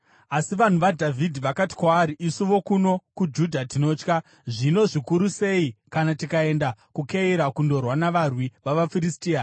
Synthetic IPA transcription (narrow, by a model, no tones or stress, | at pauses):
asiʋan̤uʋadʱavʱidʱiʋakati̥kwaːɾiʔisuʋo̞kuno̞kud͡ʒudʱatino̞ːt͡ʃka | ʐino̞ʐikuɾuse̞ikanatikae̞ndakukeiɾakundo̞rwanaʋarwiʋaʋafiɾistiːa